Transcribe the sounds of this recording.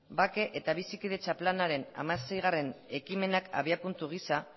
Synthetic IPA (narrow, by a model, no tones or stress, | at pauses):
bake̞ʔet̪aβ̞isikið̞e̞t͡ʃaplanaɾe̞na̰mase̞jɣ̞are̞ne̞kime̞naka̰βiapunt̪uɣ̞isa